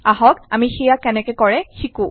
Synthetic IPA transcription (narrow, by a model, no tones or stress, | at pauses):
aɦɔkamixijakɛnɛkɛkɔɹɛxikũ